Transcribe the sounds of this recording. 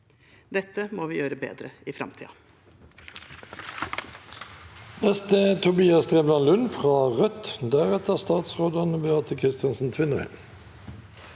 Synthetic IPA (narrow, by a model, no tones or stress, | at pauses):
d̪ɛt̪ʰːəmoːʋiːjøːɾəbḛːd̪ɾəifɾɑ̰mt̪ʰḭːɑ | nɛst̪əːt̪ʰʊbiːɑst̪ʁeːblɑnlʉnfʁɑːʁœt̪d̪æːʁɛt̪əʁst̪ɑːt̪sʁoːd̪ɑnəbəɑʁt̪ʰəkʰʁɪst̪ɪɑnsn̩t̪ʰʋɪnʁə̰